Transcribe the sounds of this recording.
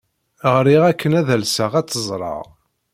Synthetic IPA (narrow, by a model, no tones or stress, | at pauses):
ʁɾiʁækʰːənæðælsəʁæt͡sːəzˤɾˤɑ̰ʁ